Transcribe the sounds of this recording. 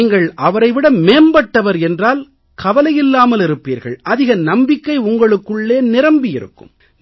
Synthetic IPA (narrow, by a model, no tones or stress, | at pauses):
ŋɡɐɭʔɐʋɐɾɐɪʋɪɽɐmːeːnbɐʈːɐʋɐɾɛndraːl | kɐʋɐlɐjɪlːaːmɐlɪɾɯpːḭːɾɣɐ̰ɭʔɐðɪɣɐnɐmbɪkːɐɪʊŋɡɐɭɯkːɯɭːeːnɪɾɐmbɪjɪɾɯ̰kːɯ̰m